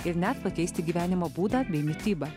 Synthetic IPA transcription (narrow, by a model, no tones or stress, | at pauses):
ɪɾnʲɛt̪pɐkʲɛɪsʲt̪ʲɪɡʲiːʋʲæːnʲɪmoːbuːd̪ɑːbʲɛɪmʲɪt̪ʲiːbɐ